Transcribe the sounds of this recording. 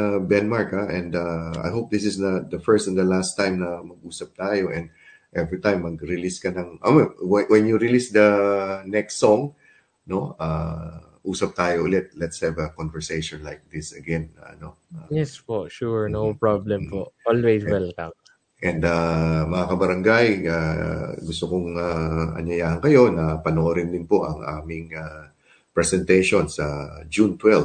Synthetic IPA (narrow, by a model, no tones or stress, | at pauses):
bɛnmaɹkɐʔɛ̃nd̪ɐʔa̰jɦowp̚d̪ɪsɪsnɐd̪ɐfɛɹst̪ɛnd̪ɐlast̪ːãjmnɐmɐɡ̚ʔuːsɐp̚t̪aːjoʔɛ̃nd̪̚ | ʔɛvɹit̪ãjmːɐɡɹɪliskɐnɐŋʔɐmɛwɛwɛnjuɹɪlisd̪ɐnɛkst̪soŋ | no̞a | ʔuːsɐp̚t̪aːjoʔʊlɛt̪̚lɛt̪shɛvɐkonvɛɹsejʃɔ̃nlajk̚d̪ɪsɐɡɛn̰no | ajɛspoʃuɹnowpɹablɛmpoʔolwejswɛlkɐm | ʔɛnd̪ɐmɐŋakɐbɐɾɐŋɡajʔaɡʊst̪okʊŋaʔɐ̰ɲjɐjaːhɐnkɐjo̞nɐpɐnoɾɪnd̪ɪnpo̞ʔɐŋʔaːmɪŋa | pɹɛsɛnt̪ɛjʃo̞nsɐd͡ʒunt̪wɛl